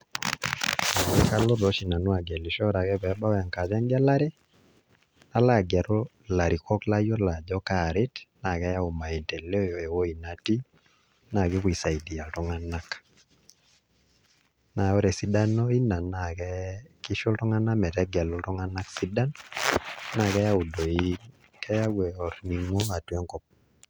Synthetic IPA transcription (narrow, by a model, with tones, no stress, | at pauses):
a˨we˦ka˦lo˦ɾɔ˨ʃi˨na˨no˦a˨ɡɛ˨li˨ʃɔ˦ɾa˨kɛ˦βɛ˨ba˦ɔ˦ja˨ŋka˨ða˦ŋɡa˦la˦ɾe˦ | na˦la˨ɡa˨ɾo˦ | la˨ɾi˨kɔ˦kla˦jɔ˦la˨d͡ʒɔ˦ka˨ɾɪ˦tna˨kɛ˦ja˦o˨ma˨e˨ntɛ˨le˦o˦jɔ˨e˨wo˦i˨na˨ti˦ | na˨kɪ˦kwi˨sa˨i˨di˨a˨ltɔ˦ŋa˦na˦k | na˨ɔ˦ɾɛ˨si˦da˦nɔ˦i˦na˨na˨kɛ˦kɪ˦ʃo˦ltɔ˦ŋa˦na˦mɛ˨tɛ˦ɡɛ˨lɔ˦ltɔ˦ŋa˦na˦ksi˦da˦n | na˨kɛ˦ja˦u˨do˨i | kɛ˦ja˦wɛ˨ɔ˨ɾni˨ŋwɔ˦a˨twɛ˦ŋkɔ˦p̚